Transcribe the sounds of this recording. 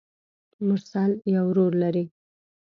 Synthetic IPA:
mʊɾsaljawɾoɾlaɾi

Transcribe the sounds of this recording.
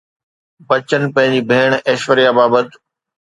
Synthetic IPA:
bɐt͡ɕənɪ̆pɐ̃ɦɪ̃ɲd͡ʑibʱeːɽ̃eːʃʋəɾijabaːbət̪

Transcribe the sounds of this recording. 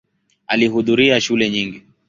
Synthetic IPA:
aliɦuðuɾiaʃulɛɲiŋɡi

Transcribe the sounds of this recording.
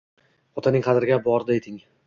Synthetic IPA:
ɒt̪ʰanɪŋqʰɑd̪ɪɾɪɡʲabɒɾd̪ejt̪ʰɪŋ

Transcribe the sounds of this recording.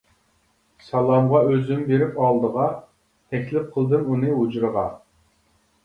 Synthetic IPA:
sɑlˠɑmʁɑøzymbeɾɪpɑlˠd̪əʁɑ | t̪ʰɛkʲlɪp̚qʰəlˠd̪ɨmunɨɦud͡ʒɾəʁɑ

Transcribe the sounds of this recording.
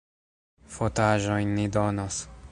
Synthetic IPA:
fot̪aːʒojnːid̪onos

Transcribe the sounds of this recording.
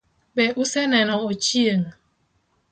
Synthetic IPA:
bɛʔusɛnɛnɔot͡ʃiəŋ

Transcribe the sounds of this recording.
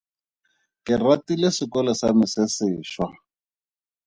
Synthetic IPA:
kɪratilesɪkɔlɔsamɪsɪsɪːʃwa

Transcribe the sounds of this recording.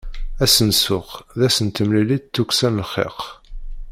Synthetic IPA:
æsənsʊχðæsənt̪əmlilidt̪ːuksænəlχḛq

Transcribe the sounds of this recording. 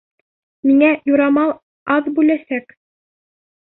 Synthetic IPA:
miŋæjuɾɑmɑlˠ | ɑðbʉlæsæk

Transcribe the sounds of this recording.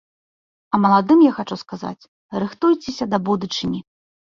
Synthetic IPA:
ɐmɐlˠad̪ɨmjaxat͡ʂuskaza̰t͡sʲ | rɨxt̪ujt͡sʲesʲɐd̪ɐbud̪ut͡ʂɨnʲi

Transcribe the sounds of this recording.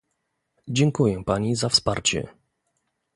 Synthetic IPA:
d͡ʑɛŋkujɛpaɲizafspaɾt͡ɕɛ̰

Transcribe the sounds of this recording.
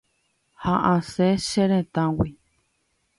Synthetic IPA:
haʔãseʃeɾẽt̪ãwi

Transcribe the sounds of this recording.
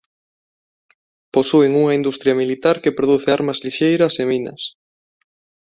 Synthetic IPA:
posueŋuŋɐind̪ust̪ɾjaɐmilit̪aɾkepɾoðuθeaɾmɐzliʃejɾɐseminɐ̰s

